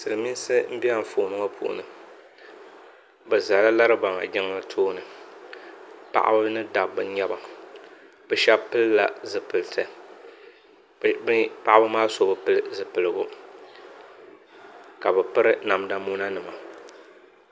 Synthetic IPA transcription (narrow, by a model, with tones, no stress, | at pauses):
sɨ˨lɨ˨mi˦n˦sɨ˦m̩˦bi˦a˦˨ɱ̩˨foː˨nɨ˦ŋa˦pʰṵ˦˨ʔṵ˨nɨ˨ | bɛ˨za˨la˦la˦ɾɨ˦ba˨ŋa̰˨d͡ʒɪ˦ŋ˦lɨ˦tʰoː˦nɨ˨ | pa̰˦ʔa̰˦bɨ˦nɨ˦da˨bːɨ˦ɲɛ˦ba˨ | bɛ˨ʃɛ˦bpɨ˦lla̰˨zɨ˨pɨ˨ltʰɨ˨ | bpa˦ʔa˦bɨ˦maː˦so˦bɨ˨pɨ˦lɨ˦zɨ˨pɨ˨lɨ˨ɡo˦ | ka˨bɛ˨pɨ˦ɾɨ˦na˨mda˨˦mu˦na˦nɨ˨ma˨